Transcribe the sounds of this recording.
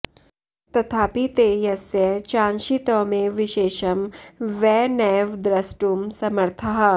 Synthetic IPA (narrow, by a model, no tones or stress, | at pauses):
t̪ɐt̪ʰaːpit̪ejɐsjɐt͡ʃãːnʃit̪ɔmeʋɪʃeːʃɐmʋɛːnɛːʋd̪ɾɐsʈumsɐmɐɾt̪ʰɐɦɐ